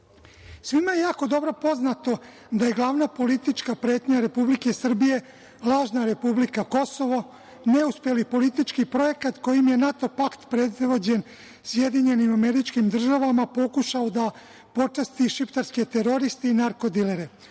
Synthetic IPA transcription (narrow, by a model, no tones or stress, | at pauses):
sʋimajejaːko̞d̪o̞bɾo̞po̞znat̪o̞ | d̪aje̞ɡlˠaʋnapo̞lit̪it͡ʃkapɾeːt̪ɲaɾe̞publike̞sr̩bije̞ | lˠaːʒnaɾe̞publikako̞so̞ʋo | ne̞uspje̞lipo̞lit̪it͡ʃkipɾo̞je̞kat̪ko̞jimje̞nat̪o̞pakt̪pɾe̞d̪ʋo̞d͡ʑe̞n | sje̞d̪iɲe̞nimame̞ɾit͡ʃkimd̪r̩ʒaʋamapo̞kuʃaod̪a | po̞t͡ʃast̪iʃipt̪aɾske̞t̪e̞ɾo̞ɾist̪einaɾko̞d̪ileɾe